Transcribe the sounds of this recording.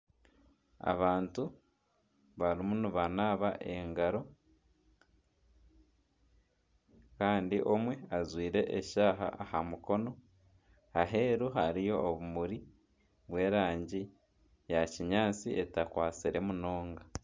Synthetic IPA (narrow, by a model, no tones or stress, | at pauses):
a̰βaːntu | βaɾimunuβanaːβaʔe̞ŋɡaɾo̞ | kaːndiʔo̞mwe̞azwiːɾe̞ʔːʃaːɦa̰ʔahamuko̞no̞ | aɦe̞ːɾuɦaɾijo̞ːβumuɾi | βwe̞ːɾaːɲɟi | jaciɲaːt͡siʔe̞takwaːt͡siɾe̞muno̞ːŋɡa